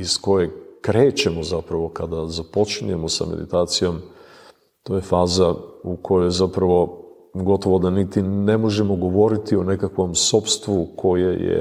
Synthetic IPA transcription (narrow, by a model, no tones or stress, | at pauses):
isko̞jekɾe̞ːt͡ɕe̞mozapɾaʋo̞kad̪azapo̞t͡ʃɲue̞mosa̰mḛd̪ḭt̪aːt̪sijo̞m | t̪o̞ːjefaːzauko̞jojzapɾaʋo̞ | ɡo̞t̪o̞ʋo̞d̪anit̪ine̞mo̞ʒe̞moɡo̞ʋo̞ɾit̪ione̞kakʋo̞mso̞pst̪ʋukʰo̞jḛjḛ